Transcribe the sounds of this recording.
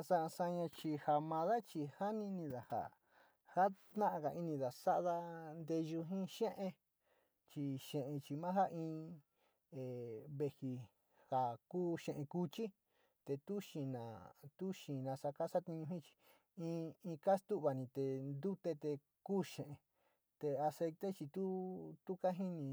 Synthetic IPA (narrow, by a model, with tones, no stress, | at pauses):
sa˧sa˧ɲã˧t͡ʃi˧ha˨mã˧ða˦t͡ʃi˧ha˦nĩ˧nĩ˧ða˨ha̰˨ | ha˦t̪nã˦ʔa˧ka˨ʔi˧nĩ˧ða˨sa˦ʔða˧nd̪e˧ʒu˧ɦĩ˦ʃẽ˦ʔẽ˧ | t͡ʃi˧ʃẽ˨ʔẽ˧t͡ʃi˧mã˦ɦa˦ʔĩː˧ | e˨βe˧hi˧ | ha˨kuː˦ʃẽ˨ʔẽ˧ku˧t͡ʃi˦ | t̪e˧t̪u˦ʃĩ˧nã˨t̪u˦ʃĩ˨nã˧sa˧ka˦sa˦t̪ĩ˧ɲũ˧ɦĩ˦t͡ʃi̥˧ | ĩ˧ĩ˧ka˦st̪u˦ʔβa˨nĩ˧t̪e˨nd̪u˦t̪e˧t̪e˧ | kuː˦ʃẽ˨ʔẽ˨˧ | t̪e˧a˧se˧jt̪e˦t͡ʃi˧t̪u˦t̪u˦ka˦ɦĩ˦nĩ˧